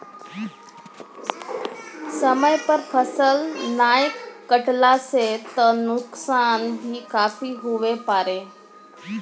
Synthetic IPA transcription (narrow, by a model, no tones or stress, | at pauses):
səməjpəɾfʰəsəlnajəkːəʈlaset̪ənuksanbʱiːkafiːɦuʋepaɾe